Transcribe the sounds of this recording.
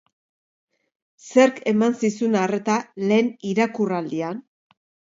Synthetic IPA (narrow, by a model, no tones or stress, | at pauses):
se̞ɾke̞mansisunare̞t̪ale̞ːniɾakurald̪ian